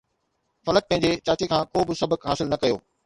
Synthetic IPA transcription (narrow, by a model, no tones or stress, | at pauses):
fɐlək̚pɐ̃ɦɪ̃ɲ̆d͡ʑet͡ɕaːt͡ɕekʰãːkoːbɪsɐbəkɦaːsɪlnɐkɐjo̰ː